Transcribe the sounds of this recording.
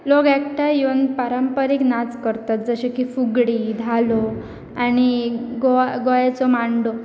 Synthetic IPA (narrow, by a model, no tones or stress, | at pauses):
lokɛkʈajonpaɾəmpəɾiknat͡skəɾt̪at̪̚d͡zəɕekifuɡɽiːd̪ʱalo | añiɡoɡojat͡sɔmaɳɖo